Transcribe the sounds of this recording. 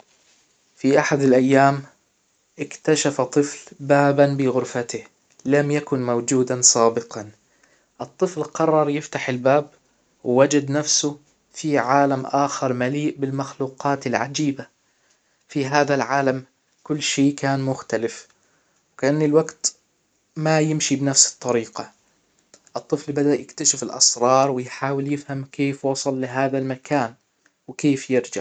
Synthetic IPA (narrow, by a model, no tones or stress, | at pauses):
fiʔaħad̪alʔajːaːm | ʔɪkt̪aʃafat̪ˤɨflbaːbanbɪɣʊɾfat̪ɪh | lamjakʊnmawd͡ʒuːd̪ansˤɑːbɪqɑn | ʔɨt̪ˤːɨflqɑrˤːɑɾˤjɪft̪aħɪlbaːb | wwad͡ʒad̪nafsʊ | fiʕaːlamʔaːxɪɾˤmaliːʔbɪlmaxluːqɑːt̪ɪlʕa̰d͡ʒiːba | fiɦaːðalʕaːlam | kʊlːʃeːkaːnmʊxt̪alɪf | wkaʔanːilwaɡt̪ | majɪmʃibnafsɨ̥t̪ˤːɑɾiːqɑ | ʔɨt̪ˤːɨflbad̪aʔjɪkt̪aʃɪfɪlʔɑ̰sɾˤɑːɾˤwɪjħaːwɪljɪfhamkeːfwɑsˤɑlːɪɦaːðalmakʰaːn | wɪkeːfjɪɾd͡ʒa̰ʕ